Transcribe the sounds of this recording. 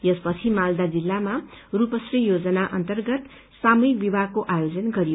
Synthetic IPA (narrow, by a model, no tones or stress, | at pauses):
jʌspʌt͡sʰimald̪ad͡zilːamarupʌsrijod͡zʌnaʔʌnt̪ʌrɡʌt̪ | samujik̚bibʱaɡkoʔajod͡zʌnɡʌɾijo